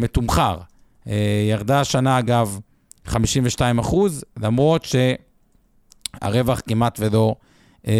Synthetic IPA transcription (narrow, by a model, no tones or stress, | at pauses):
metumχaʁ | ejaʁd̪aʃanaːɡav | χamiʃimveʃtaimaχuzlamʁo̞t̪ʃe̞ | a̰ʁe̞vaχkimat̪ve̞lo̞ | ʔe